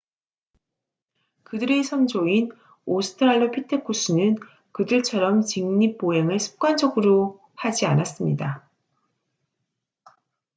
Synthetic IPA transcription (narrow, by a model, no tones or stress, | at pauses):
kɯdɯɾe̞sʰʌnd͡ʑoin | osʰɯ̥tʰɯɾaɭːopʰitʰekʰus͈ʰunɯn | kɯdɯɭt͡ɕʰʌɾʌmt͡ɕiŋɲip̚p͈oɦeŋɯɭsʰu̥p̚k͈wand͡ʑʌɡɯɾo | had͡ʑianas͈ɯmɲida